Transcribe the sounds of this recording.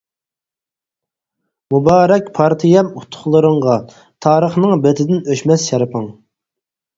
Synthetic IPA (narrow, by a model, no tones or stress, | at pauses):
mubɑːɾɛkʲpʰɑɾt̪ʰɨjɛmut̪ʰːʊ̥χlˠəɾəŋʁɑ | t̪ʰɑːɾəχnɨŋbet̪ʰɪd̪ɪnøʃmɛsjɑɾɨpʰəŋ